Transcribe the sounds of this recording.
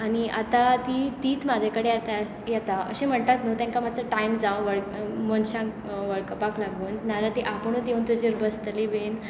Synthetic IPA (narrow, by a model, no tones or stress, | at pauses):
aɽ̃iat̪at̪iːt̪iːt̪mad͡ʑʱakəɽejat̪a | jɛt̪aʔəɕẽm̤əɳt̪at̪nut̪ãŋkamat͡səʈaimd͡zawʋəɭkmənɕãk | ʋəɭkəpaklaɡuːnnalat̪eʔapəɳ̃ud̪euːnt̪od͡ʑeɾbəst̪liben